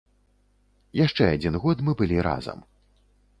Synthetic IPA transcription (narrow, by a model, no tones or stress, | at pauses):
jaʂt͡ʂɛad͡zʲinɣɔt̪mɨbɨlʲiɾa̰zɐ̰m